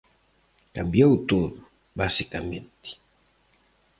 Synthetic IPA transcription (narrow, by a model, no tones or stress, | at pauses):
kambjautuŋ | basikamḛnt̪i̥